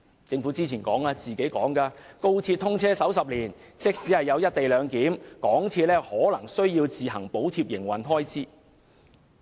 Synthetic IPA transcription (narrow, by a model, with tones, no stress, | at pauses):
t͡sɪ˧ŋfu˨˥t͡siː˥t͡sʰiː˨˩nkɔ̰ː˨˥ŋaː˧t͡siː˨ke˨˥jkɔː˨˥ŋkaː˧ko˥wt̪ʰiː˧t̚t̪ʰʊ˥ŋt͡sʰɛː˥sɐ˨˥wsɐ˨p̚liː˨˩n | t͡sɪ˥k̚siː˨˥hɐ˨jːɐ˨˧wjɐ˥t̚t̪e˨jlœː˨˧ŋkiː˨˥mkɔː˨˥ŋt̪ʰiː˧t̚lɛː˥hɔː˨˥lɐ˨˩ŋsɵ˥ɥjiː˧wt͡siː˨ɦɐ˨˩ŋpo˨˥wt̪ʰiː˧p̚jɪ˨˩ŋwɐ˨nɦɔː˥jt͡siː˥